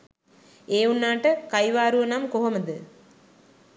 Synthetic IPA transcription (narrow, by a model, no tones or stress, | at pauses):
eːunːaːʈəkɐjʋaːɾuʋɐnamkoɦɐməd̪ɨ